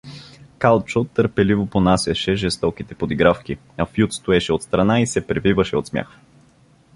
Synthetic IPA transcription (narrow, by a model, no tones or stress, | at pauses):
kalˠt͡ʃot̪ːəɾpɛlivoponasʲɐʃɛʒɛst̪ɔkit̪ɛpod̪iɡɾafki | ɐfjut̪st̪oɛʃɛot̪st̪ɾɐnaisɛpɾɛvivəʃɛot̪smʲja̰x